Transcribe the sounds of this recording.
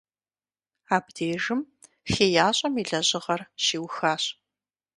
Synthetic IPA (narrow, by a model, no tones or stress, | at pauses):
aːbdeːʒɨm | xeːjaːɕʼɐmiɮɐʑɪʁɐrʃiːwxaːɕʼ